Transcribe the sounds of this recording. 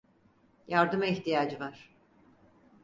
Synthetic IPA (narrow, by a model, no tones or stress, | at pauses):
jaɾd̪ɯmɛçt̪ijaːd͡ʒɯvaɾ̥